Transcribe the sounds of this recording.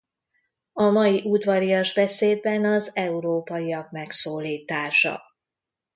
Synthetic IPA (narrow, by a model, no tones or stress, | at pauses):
ɒmɒjiʔud̪ʋɒɾijɒʒbɛseːd̪̚bɛnɒzɛuɾoːpɒjiɒk̚mɛksoːliːt̪aːʃɒ̰